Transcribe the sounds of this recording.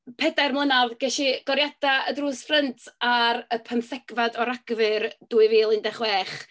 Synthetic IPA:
pʰɛdajrmlˠənavɡɛʃiɡ̥ɔɾjadaədruːsfrəntʰaɾəpʰənθɛɡ̥vadɔɾaɡ̥vɨrd̥uːɨviːlˠɪndɛχwɛːχ

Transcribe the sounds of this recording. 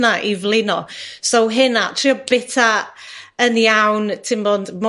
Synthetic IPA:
naʔivlˠɪnɔsowɦɪnatʰriɔbɪtʰa | ənjawntʰɪmboːndmɔ

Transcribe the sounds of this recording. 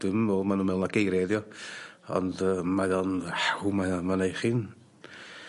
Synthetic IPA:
d̥ɨmɔmanumɛlˠnaɡejɾɛðjɔ | ɔ̰ndəmajɔnħhumajamanajχin

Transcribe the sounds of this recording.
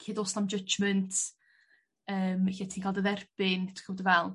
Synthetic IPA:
kʰeːdoːsnamd͡ʒəd͡ʒməntʰ | əːmçatʰiːnkʰalˠdəðɛrb̥ɪntʰχəmɔdəvɛlˠ

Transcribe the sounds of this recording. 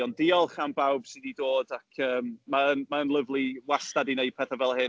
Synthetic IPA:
ɔndɪːɔlˠχanbawb̥sɪdidoːdakʰəːmːaənmaənlˠəvlˠiwastadineɨd̥̚pʰɛθavɛlˠhɪ

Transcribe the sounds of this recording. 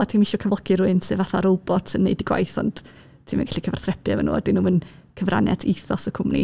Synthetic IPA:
atʰiːmɪɬɔkʰəvlˠɔkʰiɾʊɨnsɨvaθaɾowbɔtʰənːejdiɡ̥wa̰jθɔ̰nd̥ | tʰiːmənɡḁɬikʰəvar̥θrɛpʰjavɛnṵːɛ̰dɪnumən | kʰəvra̰njɛ̰tʰiθɔsəkʰʊmnḭ

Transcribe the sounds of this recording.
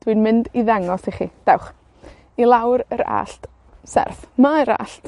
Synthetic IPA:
d̥winmɪndiðɛŋɔsiχid̥awχ | ilˠawɾəɾa̰ɬt | sɛ̰rθmaɾa̰ɬt

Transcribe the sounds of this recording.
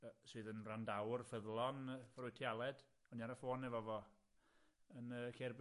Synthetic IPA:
sɨːðənrandawrfəðlˠɔnvrʊɨtʰjalˠɛd̥ | ɔniaɾəfoːnɛvɔvɔ | ənəːkʰɛrb

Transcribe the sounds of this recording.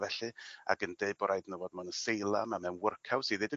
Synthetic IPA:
vɛɬɨa̰ɡəndeɨb̥ɔɾajdnəwɔdmanəsejlˠamamɛnwʊrkʰawsiðedə

